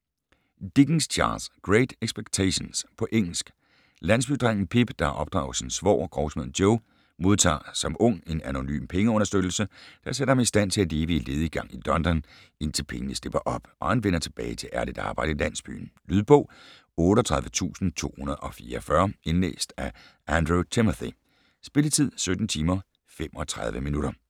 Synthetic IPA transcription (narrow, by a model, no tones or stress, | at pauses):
d̥iɡ̥n̩st͡ɕʰɑ̰̈ːlsɡ̥ʁeɪd̥eɡ̥sb̥eɡ̥t͡sʰeɕonspʰɒ̽ʔeŋ̰l̩sɡ̥ | læn̰sb̥yd̥ʁaŋ̰n̩pʰib̥d̥ɑ̈ʔɒ̽b̥d̥ʁɑ̈ʊsinsʋɒ̰ːɡ̥ʁɒʊsmeð̰̩ˠd̥joʊ | mo̝ð̞ˠt͡sʰɑ̰̈ːsɒ̽mɔ̽ŋ̰e̝næno̝ny̰ːmpʰeŋəɔ̽nɐsd̥ød̥l̩səd̥ɑseɾ̥ɐhɑmisd̥æn̰t͡sʰe̝æleːb̥əile̝ːð̞̩ˠiɡ̥ɑ̈ŋ̰id̥ɒ̽nd̥ɒn | e̝n̰t͡sʰe̝lpʰeŋənəsl̥e̝b̥ɐʔɒ̽b̥ʔɒ̽hænʋen̰ɐt͡sʰe̝b̥ɛ̰ːɪt͡sʰe̝lʔæɐlid̥ɑ̰̈ːb̥ɑ̈ɪ̰dəilæn̰sb̥y̰ːn̩lyðˠb̥ɔ̰̽ː | ɔ̽ːɾ̥əɒt͡sʰʁɑ̈ð̞ˠʋət͡sʰṵːsn̩t͡sʰo̝̰ːhunɐðˠʔɒ̽fiːɐfɶɐe̝nlḛːsd̥æ | ænd̥ʁot͡sʰemæθi | sb̥e̝lət͡sʰið̞̰ˠsød̥n̩t͡sʰiːmɐ | femɒ̽t͡sʰʁɑ̈ð̞ˠʋəminuɾɐ